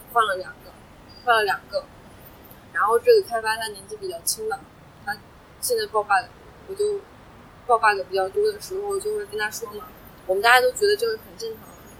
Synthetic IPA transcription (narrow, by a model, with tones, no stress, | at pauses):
xwa˥˩nlə˩ljɑ˨˩ŋɡə˦ | xwa˥˩nlə˩ljɑ˨˩ŋɡə˦ | ɻa˧˥nxo˥˧ʊʈ͡ʂɤ˥˩ɡə˩kʰa˥ɪfa˥t̪ʰa˥˩njɛ˧˥nt͡ɕi˥˩pi˨˩t͡ɕjɑ˥˩ʊt͡ɕʰi˥ŋd̪ə˨˩ | na˥˧ | ɕjɛ˥˧nt͡sa˥ɪpɑ˥˧ʊfa˥˩d̪ə˩ | wɔ˨˩t͡ɕjo˥˩ʊ | pɑ˥˧ʊfa˥˩d̪ə˨˩pi˨˩t͡ɕjɑ˥˩ʊt̪wɔ˥d̪ə˩ʂɻ̩˧˥xo˧ʊwt͡ɕjo˥˧ʊxwkə˥nt̪ʰa˥ʂwɔ˥mə˨˩ | wɔ˨˩mə˨na˥˧˩ja˥t̪o˥ʊt͡ɕɥɛ˧˥d̪ə˧ʈ͡ʂɤ˥˩˥xə˨˩nʈ͡ʂə˥˩nʈ͡ʂʰɑ˧˥˦ŋ